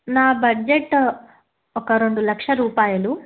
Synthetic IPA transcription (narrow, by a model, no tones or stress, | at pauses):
naːbɐd͡ʒeʈː | ɔkːɐɾond̪ulɐkʂɐɾuːpaːjɐlu